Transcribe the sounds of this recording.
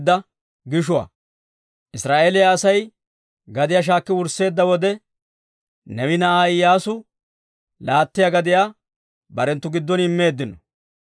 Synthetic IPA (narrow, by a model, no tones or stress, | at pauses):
d̪ːɐ | ɡɪʃ̬ʊwa̰ː | ʔɪsɾaːʔeːlɪjaːsɐj | ɡɐd̪ɪjaːʃ̬aːkːɪwʊɾsːe̞ːd̪ːɐwɔd̪ɛ | nɛwɪnɐaːɪjaːsʊ | laːt̪ːɪjaɡɐd̪ɪjaː | bɐɾɛnt̪ːʊɡɪd̪ːɔnɪmːe̞ːd̪ːɪnɔ